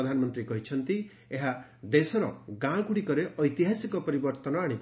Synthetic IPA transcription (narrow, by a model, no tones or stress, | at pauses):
d̪ʱanɔmɔnt̪ɾikɔɦit͡ʃʰʌnt̪i | eɦad̪esɔɾɔ̰ɡãkuɽikɔɾeʔʌjt̪iɦasikɔpɔɾibɔɾt̪ɔnɔaɽ̃ip